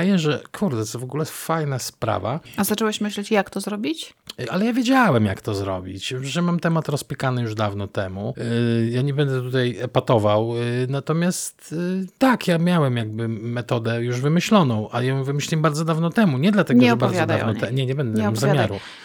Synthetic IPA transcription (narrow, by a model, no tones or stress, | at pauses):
jɛʐɛkʰuɾd̪ɛt̪sɔvɔɡulɛfajnaspɾa̰va̰azat͡ʂɛwɛɕmɘɕlɛt͡ɕjakt̪ɔzɾɔbʲit͡ɕʔalɛjavʲjed͡ʑawɛmjakt̪ɔzɾɔ̰bʲḭt͡ɕʐɛmamt̪ɛmat̪ɾɔspʲikanɘjuʐd̪avnɔt̪ɛmujaɲɛbɛnd̪ɛt̪ut̪ajɛpat̪ɔvawnat̪ɔmʲjastt̪t̪ːakjamʲjawɛmjaɡ̚bɘmɛt̪ɔd̪ɛjuʐvɘmɘɕlɔnɔ̃w̃ʔajɔ̃w̃vɘmɘɕlʲiɛmbaɾd̪zɔd̪avnɔt̪ɛmuɲɛd̪lat̪ɛɡɔɛbaɾvzjɔd̪avnɔt̪ɛɲɛɲɛbɛnd̪ɛnmzzamjmjaɾu